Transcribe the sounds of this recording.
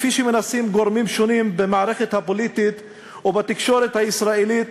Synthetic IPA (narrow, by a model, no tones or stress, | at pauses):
fiʃimenasimɡoɾmimʃonimbemaʕɾexet̪hapolit̪it̪ | ubat̪ikʃoɾet̪haɪsɾailit̪